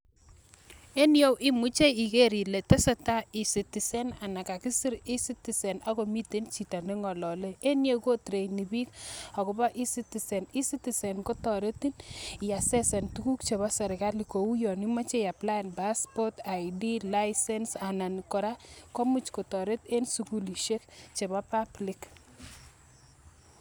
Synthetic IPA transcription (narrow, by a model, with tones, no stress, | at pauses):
e˦njo˦wʔi˦mu˦t͡ʃe˦i˨ke˦ɾi˨le˨te˦se˦ta˦i˨si˨ti˨sɛ˦na˨na˨ka˨ki˦si˦ɾi˦si˦ti˨se˨na˦ko˨mi˦ti˦nt͡ʃi˨ta˨ne˦ŋɔ˨lɔ˨le˦e˦nje˦ko˦tɾe˨jni˨bi˦ka˨kɔ˨ba˦ʔi˦si˦ti˨se˨ni˦si˦ti˨se˨nko˦tɔ˨ɾe˦ti˦n˨ja˨sɛ˦sɛ˨ntuku˦k̚t͡ʃe˨ba˦sɛ˨ɾɪka˦li˨ko˨wu˦jɔ˨ni˦ma˦t͡ʃe˦ja˨pla˦nba˦spɔ˦ta˨ɪdi˦la˦ɪsɛ˦nsa˨na˨nkɔ˨ɾa˦kɔ˦mu˨t͡ʃkɔ˨tɔ˨ɾe˦te˦nsu˨ku˦li˨ʃe˦kt͡ʃe˨ba˦pa˦blɪ˦k